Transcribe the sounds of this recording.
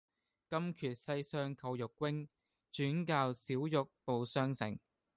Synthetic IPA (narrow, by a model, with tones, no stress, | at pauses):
kɐ˥mkʰyː˨˩t̚sɐ˧jsœː˧ŋkʰɐ˧wjʊ˨kːwɪ˥ŋ | t͡ʃyː˨˥nkaː˧wsiː˨˥wjʊ˨k̚po˨wsœː˧ŋsɪ̰˨˩ŋ